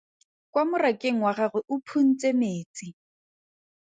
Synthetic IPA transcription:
kwamʊrakʼeŋ̩waχaɣʊʔʊpʰun̩t͡sʼemeːt͡sʼi

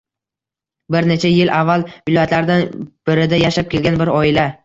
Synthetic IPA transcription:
bɪɾne̞t͡ʃʰajɪlʔavːalvɪlɒjat̪laɾd̪anb̥ɪɾɪd̪ajaʃap̚kʲʰe̞lɡʲanbɪɾɒɪla

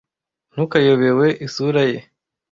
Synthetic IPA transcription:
n̥ukajoβewe̞ʔisuɾaje

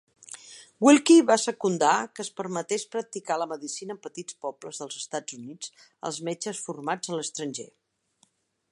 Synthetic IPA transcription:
wilˠkiβasəkund̪akəːspəɾmət̪espɾək̚t̪ikaləməðisinəːmpət̪it͡spɔbləzðəlˠzəst̪ad͡zunid͡z | ə̰lˠzmed͡ʒəsfurmad͡zələst̪ɾənʲʒḛ

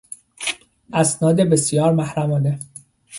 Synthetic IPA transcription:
ʔæsnɒːd̪ebesjɒːɾmæhɾæmɒːne

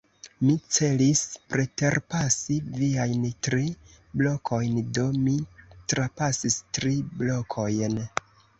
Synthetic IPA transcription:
mit͡se̞lispɾe̞te̞ɾpasiviajntɾi | blo̞kʰo̞jndo̞mitɾapasistɾiblo̞kʰo̞jn

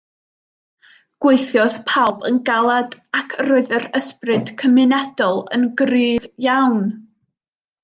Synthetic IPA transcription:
ɡ̥weɨθjɔðpʰalˠbənɡalˠadakʰəroːɨðəɾəsprɨd̥kʰəmɨnɛdɔlˠə̰nɡrɨːðjawn

